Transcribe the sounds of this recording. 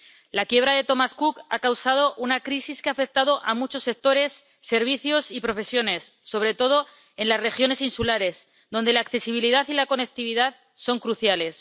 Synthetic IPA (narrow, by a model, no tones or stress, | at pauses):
lakje̞β̞ɾaðe̞t̪o̞maskuka̰kawsað̞o̞ʔunakɾisiskeafe̞k̚t̪aðo̞ʔamut͡ʃo̞sːe̞k̚t̪o̞ɾe̞sː | e̞ɾβ̞iθjo̞sipɾo̞fe̞sjo̞ne̞sːo̞β̞ɾe̞t̪o̞ð̞o̞ | e̞nlasre̞xjo̞ne̞sinsulaɾe̞s | ðo̞nd̪e̞laːkθe̞siβ̞iliðaθilako̞ne̞k̚t̪iβ̞iðað | so̞ŋkɾuθjale̞s